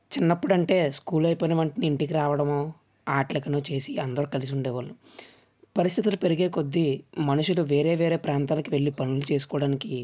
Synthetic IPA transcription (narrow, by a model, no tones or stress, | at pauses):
t͡ʃinːɐpːuɽɐɳʈe̞ːskuːlɐjpoːnɐʋɐɳʈɐniːɳʈik̬iɾaːʋɐɽɐmoː | aːʈlɐkɐnut͡ʃe̞ːsiɐnd̪ɐɾukɐlis̬iuɳɖɛːʋɐɭːu | pɐɾist̪ʰit̪ulupe̞ɾiɡe̞ːko̞d̪ːimɐnuʂuluʋe̞ːɾe̞ːʋeːɾe̞ːpɾaːnt̪aːlɐkiʋeɭːipɐnulut͡ʃe̞ːs̬u̥kɔːɐɽaːniki